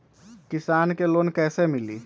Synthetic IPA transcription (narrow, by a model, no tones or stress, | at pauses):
kɪsaːnkeloːnkɛːsemɪlḭː